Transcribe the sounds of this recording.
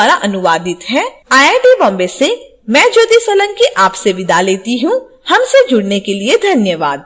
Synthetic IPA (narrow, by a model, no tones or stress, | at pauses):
aɾaʔɐnʊʋaːd̪ɪt̪ɦɛaːeɖeːbɔ̃ːmbese | mɛ̃ːd͡ʒoːd̪isɐlə̃ŋkiʔaːpseʋɪd̪ʱaleːt̪iɦũ | hɐmsed͡ʒʊɽnekelied̪ʱɐnjəʋaːd̪̚